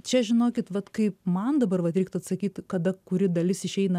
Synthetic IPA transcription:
t͡ʃʲɛʒʲɪnoːkʲɪt̪ʋɐt̪kɐɪp̚mɐnd̪ɐbɐrʋɐt̪ɾʲɛɪk̚t̪ɐt̪sɐkʲiːt̪kɐd̪ɐkʊɾʲɪd̪ɐlʲɪsɪʃʲɛɪnɐ

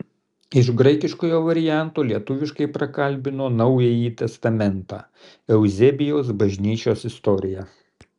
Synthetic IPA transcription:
ɪʃɡɾɐɪkʲɪʃkoːjoːʋɐɾʲɪjæˑnt̪oːlʲiɛt̪ʊʋʲɪʃkɐɪpɾɐkɐlʲbʲɪnoːnɐʊjɛjiːt̪ʲɛst̪ɐmʲɛnt̪ɑ̰ː | ɛʊzʲɛbʲɪjoːs̬bɐʒʲnʲiːt͡ʃʲoːsɪst̪ɔɾʲɪjæ

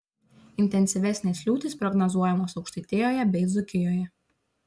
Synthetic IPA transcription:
ɪnʲt̪ʲɛnʲsʲɪʋʲɛsʲnʲɛslʲuːt̪ʲɪspɾɔɡnɐzuɔjɛmoːsɒʊkʃʲt̪ʲɐɪt̪ʲeːjoːjɛbʲɛɪd̪zʊkʲɪjoːjɛ

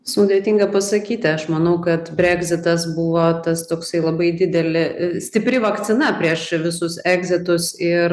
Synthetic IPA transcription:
sʊd̪ʲeːt̪ʲiŋɡɐpɐsɐkʲiːt̪ʲɪɐʃmɐnɐʊkɐt̪bʲɾʲæɡzʲɪt̪ɐsbʊʋoːt̪ɐst̪oːksɐɪlˠɐbɐɪd̪ʲɪd̪ʲɛlʲɪsʲt̪ʲɪpʲɾʲɪʋɐkt̪sʲɪnɐpʲɾʲiɛʃʋʲɪsʊsæːɡzʲɪt̪ʊsɪr

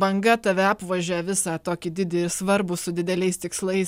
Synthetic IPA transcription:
bɐŋɡɐt̪ɐʋʲɛɑːpʋɐʒʲoːjɛʋʲɪsɑːt̪oːkʲɪd̪ʲɪd̪ʲɪɪɾsʋɐɾbʊsʊd̪ʲɪd̪ʲɛlʲɛɪst̪ʲɪkslˠɐɪs

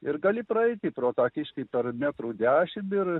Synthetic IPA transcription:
ɪɾɡɐlʲɪpɾɐɛɪt̪ʲɪpɾoːt̪ɑːkʲɪʃʲkʲɐɪpʲɛɾmʲæt̪ɾuːd̪ʲæːʃʲɪmɪɾ

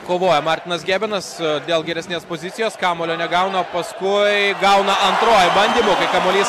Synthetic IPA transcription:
koːʋoːjɛmɑːɾʲt̪ʲɪnɐsɡʲæːbʲɪnɐsd̪ʲeːlˠɡʲɛɾʲɛsʲnʲeːspoːzʲɪt̪sʲɪjoːskɑːmoːlʲoːnʲɛɡɐʊnɐpɐskʊɪɡɐʊnɐʔɐnt̪ɾoːjbɐnʲd̪ʲiːmoːkɐɪkɐmoːlʲiːs

